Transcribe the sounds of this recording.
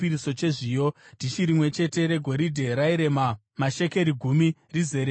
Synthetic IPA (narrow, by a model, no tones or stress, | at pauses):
iɾiso̞t͡ʃe̞ʐijo̞d̥ʱiʃiɾimwe̞t͡ʃe̞te̞ɾe̞ɡʱo̞ɾidʱe̞ɾaiɾe̞ma | maʃe̞ke̞ɾiɡʱumirize̞ɾe